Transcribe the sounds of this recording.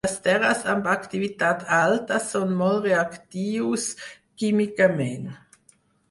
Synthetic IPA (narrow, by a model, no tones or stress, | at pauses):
ast̪ɛʁɐsambakt̪ivit̪aːt̪ʰaltɐsonmɔlʁeakt̪iːus | kimikamɛn